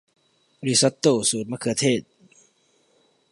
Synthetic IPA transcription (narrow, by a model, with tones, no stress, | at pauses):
bɔ˧ɾi˧˩sa˧˦˥t̪ːoː˧˩suː˨˦t̪̚maː˧˩kʰɯ˨˩ɐt̪ʰeː˥˩t̪̚